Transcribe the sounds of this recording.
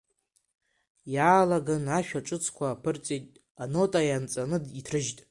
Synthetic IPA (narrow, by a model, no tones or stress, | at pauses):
jaːlaɡanaʃᶣaʈ͡ʂʼɨt͡sʰkʷʰaːpʰɨrt͡sʼejtʼ | ano̞tʼajant͡sʼanɨditʰrɨʒtʼ